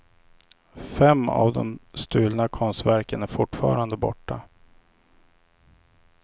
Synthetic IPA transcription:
fɛmːa̰vd̪ɔmst̪ʉ̟ːlnakʰɔnst̪væɾkənæɾfʊʈfɑːɾand̪əbɔ̰ʈːa

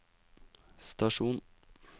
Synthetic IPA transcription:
st̪ɑʃuːn

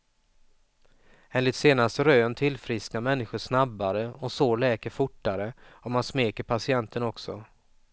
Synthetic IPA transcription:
eːnlɪt̪seːnast̪ɾøːnt̪ʰɪlfɾɪsknamɛnːɪɧʊʂnabːaɾəɔsoːlɛːkəɾfʊʈːaɾəɔmansmeːkəɾpʰasɪɛnt̪ʰənɔksɔ

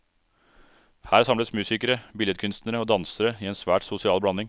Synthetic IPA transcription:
hæːɾsɑmləsmʉːsɪkəɾəbɪljɛt̪kʰʉnst̪nəɾəoːd̪ɑnsəɾəiːɛːnsʋæːʈsʊsɪɑːlblɑnɪŋ

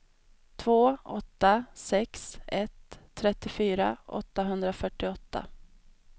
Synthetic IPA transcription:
t̪ʰvoːɔt̪ːasɛksɛt̪ʰːɾɛt̪ːɪfyːɾaʔɔ̰t̪ːaɦɵnd̪ɾafœʈːɪɔt̪ːa̰

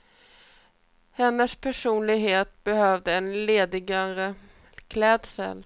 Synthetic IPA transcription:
hɛnːəspʰæʂuːnlɪɡɦeːt̪bɛhœːvd̪əɛnleːd̪ɪɡaɾə | kʰlɛːd̪sə̰l

